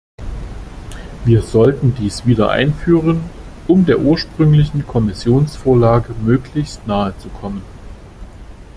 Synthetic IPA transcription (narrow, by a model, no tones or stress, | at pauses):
viːɐzɔltn̩diːsv̥iːdɐ̰ʔa̰ɪnfyːʁ̞ən | ʔʊmdeːɐʔuːɐʃpʁ̥ʏŋlɪçn̩kʰɔmɪsjoːnsfoːɐlaːɡəmøːklɪçstnaːət͡sukʰɔmən